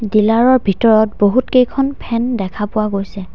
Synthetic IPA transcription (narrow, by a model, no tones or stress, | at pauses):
dilaɹɔɹbʱitɔɹɔt̚boɦutkejkʰɔnpʰɛndɛkʰapʊwaɡojsɛ